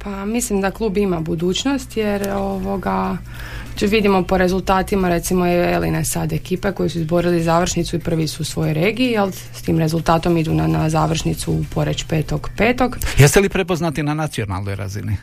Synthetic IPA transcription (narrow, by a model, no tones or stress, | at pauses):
pamislimd̪aklˠuːbimabud̪uːt͡ʃno̞st̪jeɾo̞ʋo̞ɡa | ʋid̪imo̞po̞ɾe̞zulˠt̪aːt̪imaɾe̞t̪simoelinesad̪e̞kiːpe̞ko̞jisuizbo̞ɾilizaːʋr̩ʃnit̪suipr̩ʋisuusʋo̞jojɾeːɡiijelˠ | st̪iːmɾe̞zulˠt̪aːt̪o̞mid̪unanazaːʋr̩ʃnit̪supo̞ɾet͡ɕpe̞ːt̪oɡpe̞ːt̪o̞ɡjest̪elipɾepoznat̪inanat̪sio̞na̰lˠnojɾa̰zḭni